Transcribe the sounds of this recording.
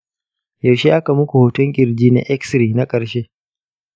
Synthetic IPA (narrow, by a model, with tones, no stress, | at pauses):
jɐ˨ʃe˦ʔa˦ka˨mʊ˦kʷu˨hoː˨tʊ˦ŋkʲʼɪ˨ɾd͡ʒiː˦nḛ˦ʔɛ˦ksɾiː˨na˦kʼɐ˨ɾʃeː˦